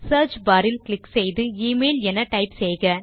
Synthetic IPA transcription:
sɐːɾt͡ʃbaːɾɪlklɪksɛjðɯiːmeːlɛnɐʈɐɪpsɛjɣɐ

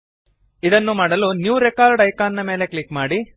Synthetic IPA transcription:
id̪ɐnːumaːɽɐlunjuːɾekaːɾɖɐjkaːnːɐme̞ːle̞klikmaːɽi

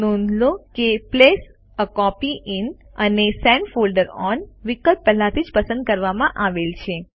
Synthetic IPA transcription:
nund̪lokeples | əkɔpiʔɪnənesɛ̃ɳɖfolɖəɾɔnʋikəlp̚pɛɦlat̪ʰid͡ʒpəsə̃nd̪̚kəɾʋamãʔaʋelt͡ʃʰe

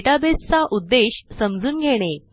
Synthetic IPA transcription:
ʈabest͡saʔud̪ːeɕsəmd͡zuːnɡʱeɽ̃e

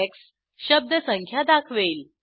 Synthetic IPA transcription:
eks | ɕəb̚d̪əsəŋkʰjad̪akʰʋeːl

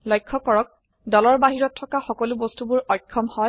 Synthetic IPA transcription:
lɔjkʰːɔkɔɹɔk̚ | dɔlɔɹbaɦiɹɔtʰːɔkaxɔkɔlubɔstubʊɹɔjkʰːɔmhɔj

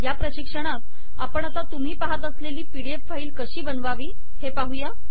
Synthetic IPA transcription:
japɾəɕikʂəɽ̃at̪̚ | apəɳat̪at̪um̤iːpaɦat̪əsleliːpiɽiepfaiːlkəɕiːbənʋaʋiː | hepaɦuja

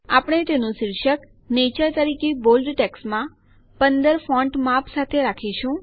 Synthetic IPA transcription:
apɽ̃et̪enũʃɪɾʃək | net͡ʃəɾt̪əɾikebolɖʈeksmã | pənd̪əɾfɔ̃ɳʈmapsat̪ʰeɾakʰiʃũ

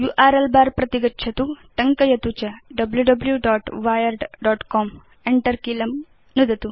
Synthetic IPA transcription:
juːʔaːɾelbaːɾpɾɐt̪iɡɐtːʃʰɐt̪uʈɐŋkɐjɐt̪ut͡ʃɐɖɐbljuɖɐbljuɖaːʈʋaːjɐɾɖɖaːʈkoːm | eɳʈɐɾkiːlɐm | nud̪ɐt̪u

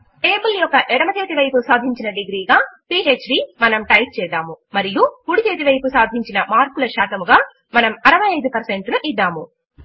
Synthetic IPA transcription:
eːpiljɔkːɐʔɛɽɐmɐt̪eːt̪iʋɐjpusaːd̪ʱiɲt͡ʃinɐɖiɡɾiːɡaːpiːɦeːt͡ʃɖimɐnɐmʈɐjk̚t͡ʃɛːd̪aːmumɐɾijupuɽit̪eːt̪iʋɐjpusaːd̪ʱiɲt͡ʃinɐmaːɾkulɐʃaːt̪ɐmuɡaː | mɐnɐmɐɾɐʋɐjɐjd̪upɐɾse̞ɳʈluʔid̪ːaːmu

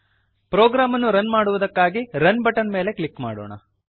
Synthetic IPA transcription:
pɾoːɡɾaːmɐnːuɾɐnmaːɽuʋud̪ɐkːaːɡiɾɐnbɐʈɐnme̞ːle̞kɭikma̰ːɽo̰ːɳɐ̰

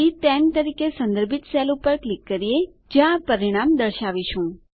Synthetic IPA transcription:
it̪ɛnt̪əɾikesə̃nd̪əɾbʱit̪selupəɾklikːəɾie | d͡ʒjãpəɾiɽ̃amd̪əɾʃaʋit͡ʃʰũ

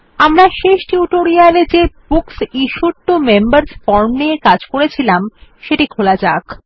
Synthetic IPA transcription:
amɾaʃeʃʈiuʈoɾialed͡ʑeb̥uksiʃuʈːomembaɾspɔɾmnekad͡ʑkoɾet͡ɕʰilamʃeʈikʰolad͡ʑak

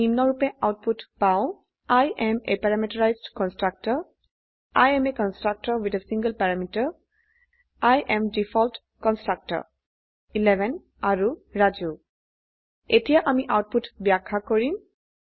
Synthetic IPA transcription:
imnɔɹupɛʔaʊt̚putpãʊ̃ | ajʔɛmepɛɹamitɔɹajzdkɔnstɹak̚tɔɹ | ajɛmekɔnstɹak̚tɔɹwitesĩŋɡəlpaɹamitaɹ | ajʔɛmdifʰɔlt | kɔnstɹak̚tɔ̰ɹ | ilɛbɛn | aɹuɹad͡ʒu | etijaʔamiʔawt̚putbjakʰːakoɹim

